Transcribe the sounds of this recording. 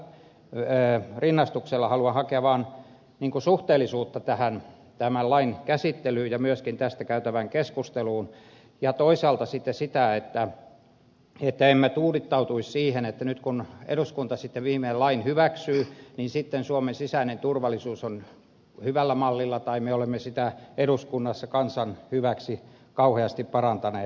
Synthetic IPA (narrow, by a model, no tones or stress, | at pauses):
rinːɑst̪ukselːɑhɑluɑnhɑkeɑʋɑːn | niːŋkusuht̪eːlːˑisuːt̪ːɑt̪æhæn | t̪æmællɑinkæsit̪ːelyːjjɑmyøskint̪æst̪ækæyt̪æʋæŋkeskust̪eluːn | jɑt̪oisɑːlt̪ɑsit̪ːesit̪æet̪ːæ | et̪ːæemːæt̪uːrit̪ːɑut̪uissiːhenet̪ːænyt̪kunḛɾuskunt̪ɑsit̪ːeʋʋiːmeelɑinhyʋæksyːninsit̪ːensuomensisæinent̪urʋɑlisuːson | hyʋælːæmɑlːilːɑt̪ɑimeolemːesit̪æeɾuskunːɑsːɑkɑnsɑnhyʋæksi | kɑuheɑst̪ippɑrɑnt̪ɑneː